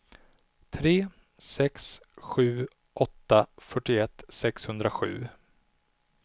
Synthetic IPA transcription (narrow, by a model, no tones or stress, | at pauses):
t̪ʰɾeː | sɛksɧʉ̟ː | ʔɔt̪ːafœʈːɪɛt̪ːsɛkshɵnd̪ɾaɧʉ̟̰ː